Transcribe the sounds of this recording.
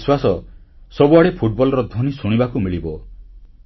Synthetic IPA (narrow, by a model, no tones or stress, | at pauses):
swasɔ | sɔbuaɽepʰuʈ̚bɔlɔɾɔd̪ʱɔnisuɽ̃ibakumiɭibɔ